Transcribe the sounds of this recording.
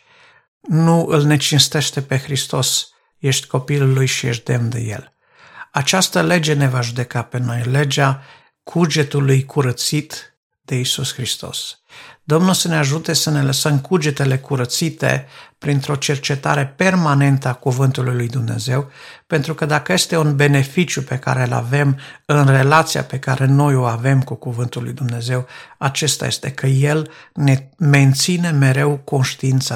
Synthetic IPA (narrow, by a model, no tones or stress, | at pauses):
nuʔɨlne̞t͡ʃinst̪e̞ʃt̪e̞pe̞xɾist̪o̞s | je̞ʃt̪ʲko̞pilulːujʃijeʃ̬t̪̚d̪e̞mnd̪e̞̰jḛl | at͡ʃast̪əle̞d͡ʒe̞ne̞vaʒud̪e̞kape̞no̞jle̞d͡ʒa | kʰud͡ʒe̞t̪ulujkʰuɾət̪sit̪ | d̪̥e̞isusxɾist̪o̞̰s | d̪o̞mnulsəneaʒut̪e̞səne̞ləsəmkud͡ʒe̞t̪e̞le̞kuɾət̪sit̪ḛpɾint̪ɾo̞t͡ʃe̞rt͡ʃe̞t̪a̰ɾe̞pe̞rmane̞nt̪əakuvɨnt̪ulujlujd̪umne̞̰ze̞wpe̞nt̪ɾukəd̪akəje̞st̪e̞unbe̞ne̞fit͡ʃjupe̞ka̰ɾe̞la̰ve̞mɨnre̞lat̪sija̰pe̞kaɾʔe̞no̞jo̞ave̞mkukuvɨnt̪ulːṵjd̪umne̞ze̞wat͡ʃe̞st̪a̰je̞̰st̪e̞̰kʰəje̞lneme̞nt̪sine̞me̞ɾe̞wko̞nʃt̪iint̪sə